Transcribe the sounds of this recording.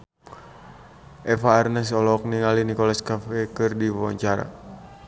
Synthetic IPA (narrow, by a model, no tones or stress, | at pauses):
ʔɛfaːrnɛsɔlɔk̚niŋalinikɔlaskafɛkɨrdiwawa̰ɲt͡ʃaɾa̰